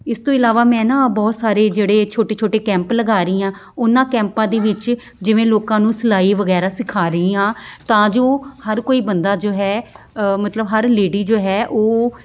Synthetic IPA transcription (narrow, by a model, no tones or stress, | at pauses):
ɪst̪õːɪlaːʋaːmɛ̃ːnãːbɔːt̪saːɾeːd͡ʒeːɽeːt͡ʃʰoːʈeːt͡ʃʰoːʈeːkɛ̃ːmpləɡaːɾəiːãː | ʊnãːkɛ̃ːmpãːd̪eːʋɪt͡ʃ | d͡ʒɪʋẽːloːkãːnũːsəlaːiːʋəɡɛːɾaːsɪkʰaːɾəiːãːt̪ãːd͡ʒoːhəɾkoːiːbənd̪aːd͡ʒoːɦɛː | mət̪ləbɦəɾleːɖiːd͡ʒoːɦɛːʔoː